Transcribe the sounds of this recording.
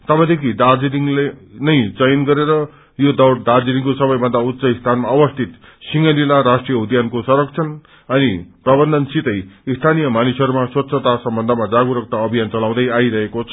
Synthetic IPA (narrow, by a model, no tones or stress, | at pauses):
t̪ʌbʌd̪ekʰid̪ad͡zid̪iŋlenʌjd͡zʌjʌnɡʌɾeɾʌ | jod̪ʌwd̪ard͡zid̪iŋkosʌbʌjbʱʌnd̪aut̪ːsʌist̪ʰanmaʌbʌst̪ʰit̪ | siŋʌlilaɾasʈrijʌud̪jankosʌɾʌkt͡sʰʌn | ʌniprʌbʌnd̪ʱʌnsit̪ʌjist̪ʰanijʌmanusɦʌɾumaswʌt̪ːsʰʌt̪asʌmbʌnd̪ʱʌmad͡zaɡuɾʌk̚t̪aʌbʱijant͡sʌlaw̃d̪ʌjaiɾʌɦekot͡sʰʌ